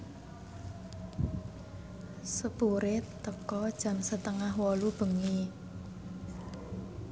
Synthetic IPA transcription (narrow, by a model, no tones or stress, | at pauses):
səpuɾɪt̪ːəkɔd̥ʒ̥ä̤msət̪əŋahwɔlub̥ə̤ŋi